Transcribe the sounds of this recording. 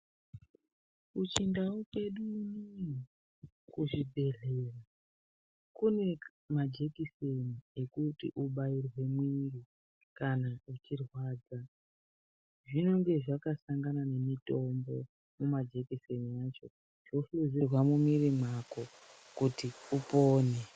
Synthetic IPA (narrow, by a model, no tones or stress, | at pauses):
ut͡ʃindauke̞ɗuni | kuʐibʱe̞ɮe̞ːra | kune̞ | mad͡ʒe̞kisenie̞kutḭʔuɓairwe̞mwiri | kanaut͡ʃirwaːd͡za | ʐino̞ŋɡe̞ʐakasaŋɡanane̞mito̞mbo̞̰ | mumad͡ʒe̞kiseniaːt͡ʃo̞ | ʐ̥oɬuzirwamumirimwako̞ | kutiupoːne